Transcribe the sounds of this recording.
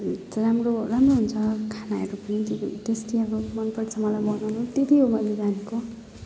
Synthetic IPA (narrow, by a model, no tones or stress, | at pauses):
tɾamroramroɦunt͡sʰʌkʰanaḛɾopit̪id̪esʈiakomʌnpʌʈt͡sʰʌmʌlajbʌnʌnut̪et̪iɦomʌjled͡zaneko